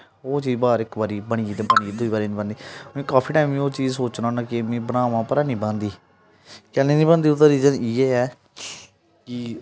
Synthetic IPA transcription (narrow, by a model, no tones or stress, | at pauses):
oːt͡ʃiːd͡ʒbaːɾɪkbaːɾiːbəɳ̃iːiːt̪ẽːbəɳ̃iːiːd̪ʊiːbaːɾiːnĩːbãnd̪iːẽːkaːpʰiːʈaːɪmĩːoːt͡ʃiːd͡ʒsoːt͡ʃnãːnaːkɪmĩːbənaːʋãːpəɾaːnĩːbãːnd̪iː | kɛːlẽːnĩːbə̃ːnd̪iʊt̪əɾiːzəniːɛːɛː | kɪ